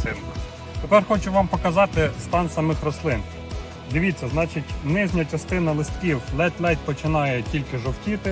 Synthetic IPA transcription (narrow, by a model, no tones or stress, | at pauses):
ɪ | t̪epɛrxɔt͡ʃʊʋɑmpɔkɐzɑt̪ɪst̪ɑnsɐmɪxrɔslˠɪn | d̪ɪʋʲit͡sʲːɐznɑt͡ʃɪtʲʋnɪʒʲnʲɐt͡ʃɐst̪ɪnɐlˠɪst̪̚kʲiwlˠɛt̪ʲlʲˠɛt̚ʲpɔt͡ʃɪnɑjɛtʲilʲkɪʒɔwtʲit̪ɪ